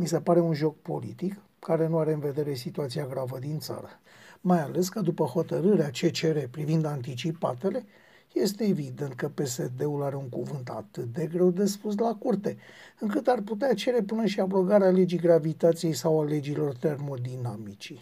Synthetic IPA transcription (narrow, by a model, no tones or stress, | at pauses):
mise̞paɾe̞unʒo̞k̚po̞lḭt̪ik | kaɾe̞nuaɾe̞ɨnve̞d̪e̞ɾe̞sit̪uat̪siaɡɾavəd̪int̪sa̰ɾə | majale̞skəd̪upəho̞t̪əɾɨɾeat͡ʃe̞t͡ʃe̞ɾe̞pɾivind̪ant̪it͡ʃipa̰t̪e̞le̞ | je̞st̪e̞ːvid̪e̞nt̪̚kəpe̞se̞d̪e̞ulaɾe̞uŋkuvɨnt̪a̰t̪ɨt̪̚d̪e̞ɡɾe̞wd̪e̞spus̬lakurt̪e̞ɨŋkɨt̪arput̪eat͡ʃe̞ɾe̞pɨnəʃiabɾo̞ɡaɾeale̞d͡ʒiɡɾavit̪at̪sije̞jsawale̞d͡ʒilo̞rt̪e̞rmo̞d̪inamit͡ʃi